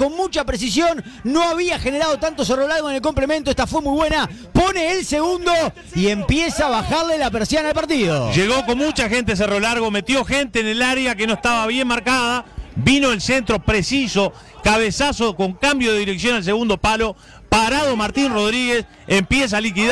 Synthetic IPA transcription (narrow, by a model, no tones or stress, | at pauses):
ko̞nmut͡ʃapɾes̬isjo̞nːo̞aβiaxeneɾað̞ot̪ant̪o̞s̬ero̞laɾɣoenelko̞mple̞ment̪oest̪afwemujβwena | po̞neːlseɣund̪o | iempjesaːβaxaɾlelapeɾsjanaːlpaɾt̪iðo̰ʒeɣo̞ko̞nmut͡ʃaxent̪es̬ero̞laɾɣome̞t̪jo̞xent̪eːnelaɾeakeno̞ehst̪aβaβje̞nmaɾkaðaβino̞elsent̪ɾo̞pɾesiso̞ | kaβesasoko̞ŋkambjoðeðiɾeksjo̞nals̬eɣund̪o̞palo̞ | paɾaðo̞maɾt̪inroðɾiɣes | empjes̬alik̬i